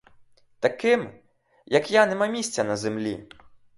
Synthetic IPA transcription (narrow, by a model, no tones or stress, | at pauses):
t̪ɐkɪm | jɐkjanɛmamʲisʲt͡sʲɐnɐzemlʲḭ